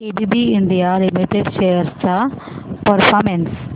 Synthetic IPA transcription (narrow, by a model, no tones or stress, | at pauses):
ebibiiɳɖijalimiʈeɖʃejɐɾst͡ɕa | pɐɾfʰaːɾmens